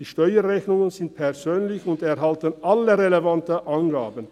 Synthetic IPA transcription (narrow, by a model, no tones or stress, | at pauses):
d̥iːʃtɔʏəʁɛçnʊŋənzɪnt̚pʰɛɐzøːnlɪçʊndɛʁɦaltənʔaləʁelevantəʔanɡaːbən̩